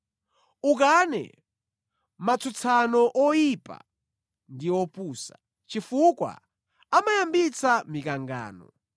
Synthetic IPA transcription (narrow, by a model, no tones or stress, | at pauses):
uk̬anɛ̰ | mat͡sʰut͡sʰanɔʔɔjipa̰ | ndiɔpuːsa | t͡ʃifukwa̰ | amajambit͡sʰamikaŋɡa̰ːnɔ̰